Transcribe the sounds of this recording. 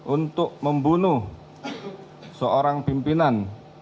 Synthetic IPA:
ʔunt̪ʊʔməmbunu | səʔoɾaŋpimpinan

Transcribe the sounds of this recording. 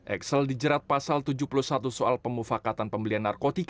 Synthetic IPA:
ʔɛ̰ksəldid͡ʒəɾat̪̚pasalt̪ud͡ʒuhpuluhsat̪usoalpəmufakat̪anpəmbəlianːarkot̪ik

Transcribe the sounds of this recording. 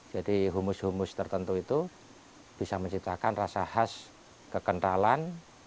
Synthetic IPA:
d͡ʒ̥adiɦumʊshumʊst̪ərt̪ənt̪uit̪u | b̥isaməɲt͡ʃip̚t̪akanrasahas | kəkənʈalan

